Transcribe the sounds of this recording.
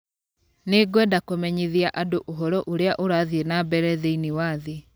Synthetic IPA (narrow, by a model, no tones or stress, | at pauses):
neɡwɛdakomɛɲiðiaʔadoʔoɦɔɾɔʔoɾeaʔoɾaðienabɛɾɛðeiniwaðe